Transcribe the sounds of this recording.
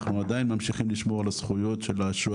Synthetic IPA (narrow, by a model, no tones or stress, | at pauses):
χnuad̪ajinmamʃiχimliʃmo̞ʁalasχujo̞tʃelaʃu